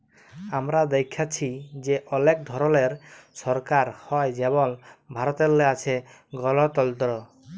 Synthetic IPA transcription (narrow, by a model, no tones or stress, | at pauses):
amɾad̪ekʰːat͡ʃʰid͡ʒeʔɔnek̚d̪ʱɔɾɔleɾsɔɾkaɾhɔjd͡ʒebɔnbʱaɾɔt̪elːeat͡ʃʰe | ɡɔlɔt̪ɔlt̪ɔɾɔ